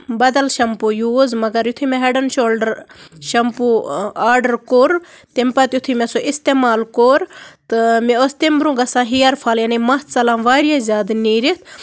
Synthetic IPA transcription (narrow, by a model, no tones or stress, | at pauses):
bɐd̪ɐlʃɐmpujuːzmɐɡɐɾjut̪ʰumeɦeɖɐnʃoːlɖəɾʃɐmpuaːɾɖəɾkoːɾ | t̪empɐt̪jut̪ʰumesoʔist̪eːmaːlkoːɾt̪ɨmeost̪embɾũɡɐsãːɦijɐɾpʰaːljɐnimɐɦt̪t͡sɐlãːmʋaːɾijazʲaːd̪niːɾit̪ʰ